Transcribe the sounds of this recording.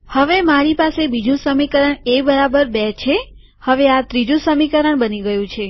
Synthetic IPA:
həʋemaɾipasebid͡ʒũsəmikəɾəɳebəɾabəɾbɛt͡ʃʰe | həʋeat̪ɾid͡ʒũsəmikəɾəɳbəniɡəjũt͡ʃʰe

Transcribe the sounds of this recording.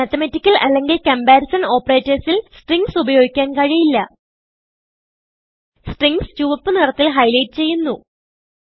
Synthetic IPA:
mɐt̪ːɐmɐtːikʲːɐlʔɐlːe̞ŋɡilkɐmbaːɾisɐno̞ːpːɐre̞ːtːɐrsilsʈriŋɡsubɐjo̞ːɡikʲːaːnkɐɻijilːɐ | sʈriŋɡst͡ɕuːʋɐpːɨnirɐt̪ːilɦɐjlɐjtːɨt͡ɕe̞jːunːu

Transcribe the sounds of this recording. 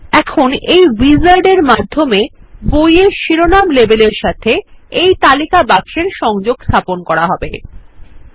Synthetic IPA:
ɛkʰonejwizaɾɖeɾmad̪ʱːomebojeʃiɾonamlebeleɾʃat̪ʰeejt̪alikabakʃeɾʃɔŋd͡ʑoɡst̪ʰaponkɔɾaɦɔbe

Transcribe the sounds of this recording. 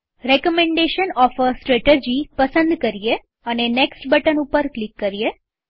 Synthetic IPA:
ɾekɔmẽɳɖeʃənɔfəsʈɾɛʈed͡ʒipəsə̃nd̪kəɾije | əneneksʈbəʈənupəɾklikːəɾije

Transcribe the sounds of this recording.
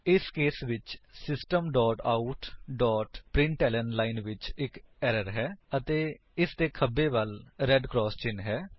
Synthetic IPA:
ɪskeːsʋɪt͡ʃsɪsʈəmɖɔːʈaːʊʈɖɔːʈpɾɪ̃ɳʈɛːlənlaːɪnʋɪt͡ʃɪkɛːɾəɾɦɛːət̪eː | ɪst̪eːkʰəbːeːʋəlɾɛːɖkɾɔːst͡ʃɪnɦɛː

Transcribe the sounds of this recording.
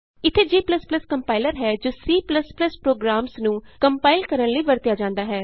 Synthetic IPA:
ɪt̪ʰːeːd͡ʒiːpləspləskəmpaːɪləɾɦɛːd͡ʒoːsiːpləspləspɾoːɡɾaːmsnũːkəmpaːɪlkəɾəɳ̃ləiːʋəɾt̪ɪjaːd͡ʒãːnd̪aːɦɛː

